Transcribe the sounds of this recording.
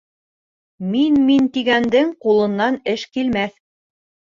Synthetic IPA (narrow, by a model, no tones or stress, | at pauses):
minmint̪iɡænd̪ɘɴqulˠɤ̆nːɑnɘʃkilmæθ